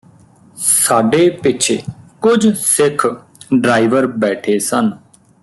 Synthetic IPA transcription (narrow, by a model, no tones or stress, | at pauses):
saːɖeːpɪt͡ʃʰeːkʊd͡ʒsɪkʰ | ɖɾaːiʋəɾbɛːʈʰeːsən